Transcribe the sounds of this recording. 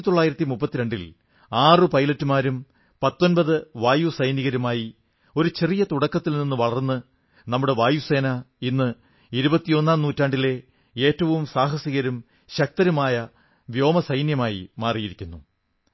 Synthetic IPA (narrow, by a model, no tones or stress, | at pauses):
it̪oɭːaːjiɾɐt̪ːimupːɐt̪ːiɾe̞ɳɖḭl | aːrɨpɐjlɐtːumaːɾum | pɐt̪ːo̞nbɐðɨʋaːjusɐjniɣɐɾumaːji | o̞ɾut͡ɕe̞rijɐt̪uɽɐkːɐt̪ːilninːuʋɐɭɐrnːɨ | nɐmːuɽe̞ʋaːjuse̞ːnɐinːɨ | iɾubɐt̪ːijo̞nːaːmnuːtːaːɳɖile̞ | e̞ːtːɐʋumsaːɦɐsiɣɐɾum | ɕɐk̚t̪ɐɾumaːjɐ | ʋjo̞ːmɐsɐjnjɐmaːjḭmaːrijiɾikʲːunːu